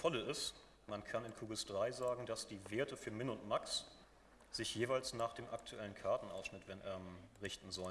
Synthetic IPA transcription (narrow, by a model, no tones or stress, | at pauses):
fɔləɪst | mankʰanɪnkʰuːɡəsd̥ʁaɪzaːɡŋ̩dasd̥iːveːɐtəfyːɐmɪnʊntmaks | z̥ɪçjeːvaɪlsnaːχd̥eːmʔa̰k̚tʰuʔɛlənkʰaɐtn̩ʔa̰ʊsʃnɪtvɛɛmʁɪçtn̩zɔlə